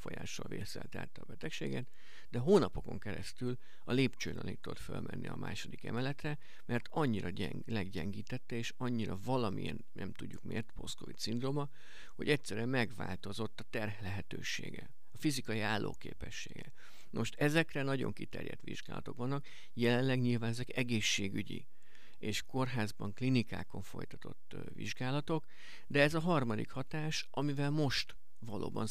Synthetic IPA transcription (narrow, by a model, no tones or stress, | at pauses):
fo̞ja̰ːʃːɒlveːsɛ̰lt̪a̰ːt̪ːɒːbɛt̪ɛkʃeːɡɛt̪ | d̪ɛɦoːnɒpo̞ko̞ŋkɛɾɛst̪yl | ɒleːpt͡ʃøːnɒ̰nit̪ːuot̪fø̰lmʔɛnːiɒma̰ːʃo̞d̪ikɛ̰mɛlɛt̪rɛ | mɛrt̪ɒɲːiɾɒɛ | lɛɡɟɛŋɡiːt̪ɛt̪ːɛeːʃɒɲːiɾɒvɒlɒmijɛnnʔɛ̰mt̪uɟːukmeːrt̪po̞skovit̪sind̪ro̞mɒ | ho̞ɟɛcʲsɛɾɛmɛɡva̰ːlt̪o̞zo̞t̪ːɒt̪ɛrɦɛlɛɦɛt̪øːʃḛːɡɛ̰ | ɒfizikɒjiaːlːo̰ːkḛːpɛʃːḛːɡɛ̰ | noʃt̪ɛzɛkrɛnɒɟo̞̰ŋkit̪ɛ̰rjɛ̰t̪ʋḭʒɡaːlɒ̰t̪o̞kʋɒnːɒk | jɛlɛnlɛɡɲilvaːnɛzɛkɛɡeːʃːeːɡyɟḭ | eːʃko̞rɦaːzbɒŋklinika̰ːko̞ɱfo̞̰jt̪ɒ̥t̪o̞t̪ː | vḭʒɡaːlɒt̪ok | d̪ɛɛzɒɦɒrmɒd̪ikhɒt̪aːʃ | ɒmivɛlmo̞ʃt̪ | vɒlʔo̰ːbɒ̰n